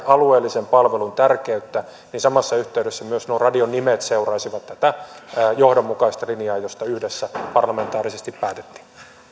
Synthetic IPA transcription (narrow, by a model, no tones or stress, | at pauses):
ɑlueːlːisempɑlʋelunt̪ærkeyt̪ːæ | ninsɑmɑsːɑyht̪eydesːæmyøsnorɑdionːimet̪seurɑːsiʋɑt̪t̪ːæt̪æːjohdomːukɑist̪ɑlinijɑːjost̪ɑyhdesːæpɑrlɑment̪ɑːrisest̪ippæːt̪e̥t̪ːi̥ː